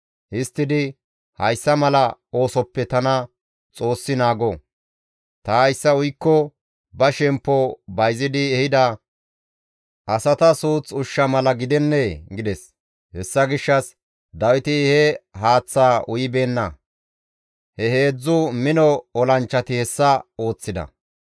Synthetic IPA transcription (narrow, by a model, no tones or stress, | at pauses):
hɪst̪ːɪd̪ɪ | hɐjsːɐmɐlɐo̞ːsɔpːɛt̪ɐnɐ | t͡sʼo̞ːsːɪnaːɡɔ | t̪ɐːɐjsːɐʊjkːɔ | bɐʃɛmpːɔbɐjzɪd̪ɪɛhɪd̪ɐ | ʔɐsɐt̪ɐsuːt͡sʼʊʃːɐmɐlɐɡɪd̪ɛnːeːɡɪd̪ɛs | hɛsːɐɡɪʃːɐs | d̪ɐwɪt̪ɪhɛhaːt͡sːaːʊjɪbe̞ːnːɐ | hɛhe̞ːd͡zːʊmɪnɔɔlɐnt͡ʃːɐt̪ɪhɛsːɐo̞ːt͡sːɪd̪ɐ̰